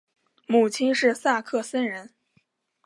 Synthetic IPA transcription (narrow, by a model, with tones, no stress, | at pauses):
mu˨˩t͡ɕʰi˥nʂɻ̩˥˧sa˥˩kʰɤ˥˩sə˥nɻə˧˥n